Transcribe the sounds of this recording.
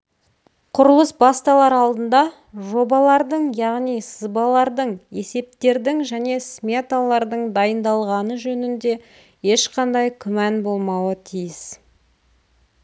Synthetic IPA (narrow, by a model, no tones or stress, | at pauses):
qʰʊɾəlˠəsbɑst̪ɑlˠɑɾɑlˠd̪ənd̪ɑ | ʒo̞bɑlˠɑɾd̪əɴjɑʁnijsəzbɑlˠɑɾd̪əɴe̞se̞p̚t̪e̞ɾd̪ɪŋʒæne̞smʲet̪alˠɑɾd̪əɴd̪ɑjənd̪ɑlˠʁɑnəʒɵnɪnd̪e̞ | je̞ʃqʰɑnd̪ɑjkʲʰʏmænbo̞lˠmɑwət̪ʰijɪs